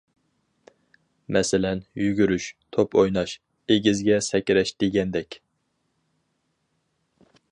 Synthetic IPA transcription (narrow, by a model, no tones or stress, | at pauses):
mɛsɪlɛnjyɡʲyɾyʃt̪ʰopojnɑʃ | eɡʲizɡʲɛsɛkʲɾɛʃd̪̥eɡʲɛnd̪ɛkʲ